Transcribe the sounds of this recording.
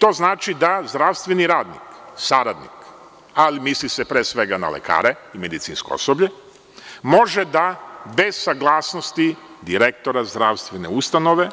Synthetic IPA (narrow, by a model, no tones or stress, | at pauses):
t̪o̞znaːt͡ʃid̪azd̪ɾaʋst̪ʋe̞niɾaːd̪nḭksaɾad̪nḭk | alimislisepɾeːsʋe̞ɡana̰lḛkʰa̰ːɾeime̞d̪it̪siːnsko̰o̰sobʎe | mo̞ʒed̪abe̞ssaɡlˠaːsnost̪i | d̪iɾek̚t̪oɾazd̪ɾaʋst̪ʋeneust̪ano̞ʋe̞